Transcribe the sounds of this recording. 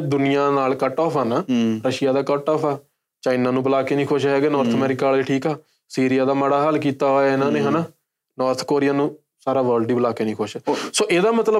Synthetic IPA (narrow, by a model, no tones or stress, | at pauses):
d̪ʊnɪjãːnaːlkəʈɔːfʰɛːnaːɾəʃɪjaːd̪aːkəʈɔːpɛː | t͡ʃaːɪnãːnũːbəlaːkeːnĩːkʰoʃɦɛːɡeːnɔːɾt̪ʰəmɛːɾɪkaːleʈʰiːkɛː | siːɾɪjaːd̪aːməɽaːɦəlkiːt̪aːɦoːaːɪnãːneːɦɛnaː | nɔːɾt̪ʰkoːɾɪjaːnũː | saːɾaːʋəːɾlɖiːbəlaːkeːnĩːkʰoʃsoːʔeːd̪aːmət̪lə